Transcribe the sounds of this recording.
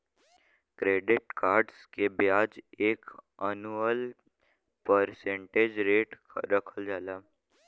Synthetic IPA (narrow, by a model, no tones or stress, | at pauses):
kɾeːɖɪʈkaːɾɖskebɪjaːd͡ʒeːkənuəl | pəɾsẽɳʈeːd͡ʒɾeːʈɾəkʰəld͡ʒaːlaː